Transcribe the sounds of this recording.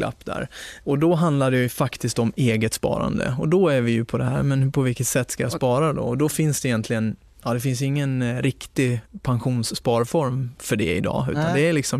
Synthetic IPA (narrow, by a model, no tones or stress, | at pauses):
lʔa̰pːd̪æ̰ɾɔd̪ɔɦand̪laɖ̪ɛjɵfakt̪ɪskt̪ɔmeːɡət̪spɑ̰ːɾa̰nd̪ə̰ɔd̪ɔæɾvɪjɵpʰɔd̪ɛhæːɾmɛnpʰɔvɪlkːət̪sɛt̪ːskajaspɑːɾad̪ɔ̰ɔd̪ɔfɪnsd̪ɛjɛnt̪lɪɡən | ɑːd̪ɛfɪns̬jɵɪŋːənɾɪkt̪ɪpʰanɧuːnsːpɑːɾfɔɾmfœɖɛ̰ɪ̰d̪ɑ̰ːʉ̟ːt̪and̪ɛælɪksɔm